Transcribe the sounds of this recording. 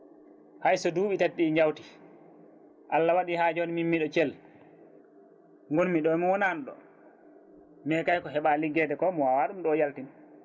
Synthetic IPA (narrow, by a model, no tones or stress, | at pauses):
hajsɔduːɓitatɗiɲd͡ʒawti̥ | ʔalːawaɗihaːd͡ʒɔniminːiɗɔt͡ʃɛl | ŋɡonmiɗɔmiwɔnanɗɔ̰ | mɛkajkɔɦɛɓaliɡːɛdɛkɔmɔwawaɗumɗɔːjaltin